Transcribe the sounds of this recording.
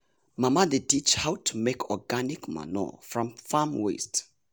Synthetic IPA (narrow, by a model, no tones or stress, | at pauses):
mamadetit͡ʃhawtʰumekʰɔɡanikma̰nɔ̰fɹɔ̃mfamwḛst